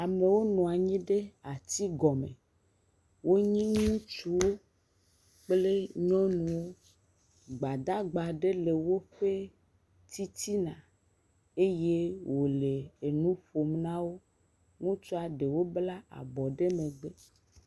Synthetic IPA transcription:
a˨me˨wo˦nɔ̃˨a˨ɲĩ˦ɖe˦a˨t̪i˦ɡɔ˨mḛ̃˨ | wo˦ɲĩ˦ŋũ˦t͡ʃu˦wo˦ | k͡ple˦ɲɔ̃˦nũ˨wo˦ | ɡ͡ba˨d̪a˦ɡ͡ba˨ɖe˦le˨wo˦ɸe˦ | t̪i˦t̪i˦nã˨ | e˦je˦wo˨le˨e˨nũ˦ɸo˨mnã˦wo˦ | ŋũ˦t͡ʃɔ˦a˨ɖe˨wo˦bla˦a̰˨bɔ˨ɖe˦mẽ˨ɡ͡be˦

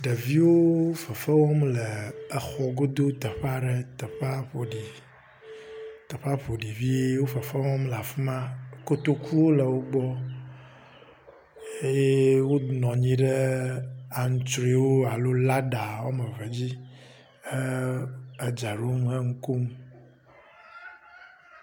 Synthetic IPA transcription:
ɖə˨vi˦wo˦fə˨fə˦wɔ˦mlə˨ə˨xɔ˨ɡo˦d̪o˦t̪ə˨ɸa˦ɖə˨t̪ə˨ɸa˦ɸo˨ɖi˨ | t̪ə˨ɸa˦ɸo˨ɖi˨vi˦e˦wo˦fə˨fə˦wɔ̃˦mla˨fu˦mã˦ko˦t̪o˦kʰu˦wo˦lə˨wo˦ɡ͡bɔ˦ | e˦je˦wo˦nɔ̃˨ɲĩ˦ɖə˦ | a˨ŋ̩˨˦t͡ʃɾi˦wo˦a˨lo˦la˦ɖa˨wo˦mə˨və˨d͡ʑi˦ | ə˦ | ə˨d͡ʒa˨ɖo˦m˦ə˦ŋ̩˦ko˦m˦

